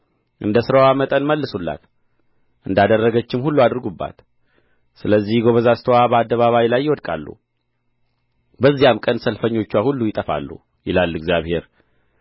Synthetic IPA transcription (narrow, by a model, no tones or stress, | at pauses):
ʔɨnd̪əsɨɾəwamət̪ʼənməlːɨsulːa̰t̪ | ʔɨnd̪ad̪ərːəɡət͡ʃːɪmhulːuad̪ɾɡubːa̰t̪ | sɨləzːihɡo̞βəzast̪ʰəwabəad̪ːəβaβajilajːɪwɔd̪kʼa̰lːṵ | bəzːijamkʼənsəlfəɲːo̞t͡ʃːwahulːujɪt̪ʼəfa̰lːṵ | jɪlalːɨɡzijaβhe̞ɾ